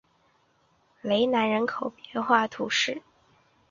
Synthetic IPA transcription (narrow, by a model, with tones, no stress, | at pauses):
le˧˥ɪna˧˥nɻə˧˥nkʰo˨˩ʊpjɛ˧˥nxwa˥˩t̪ʰṵ˧˥ʂɻ̩˥˩